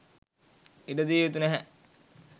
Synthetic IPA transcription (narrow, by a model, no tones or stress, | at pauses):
iɖəd̪iːʋet̪unæɦæ